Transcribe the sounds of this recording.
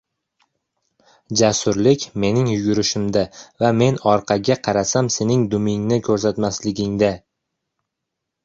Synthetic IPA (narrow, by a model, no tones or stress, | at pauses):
d͡ʒasʊɾlɪkʲme̞nɪŋjʊɡʲʊɾɪʃɪmd̪avame̞nɒɾqʰɑɡʲaqʰɑɾasamse̞nɪŋd̪ʊmɪŋnɪkʲʰɵɾs̬at̪maslɪɡʲɪŋd̪a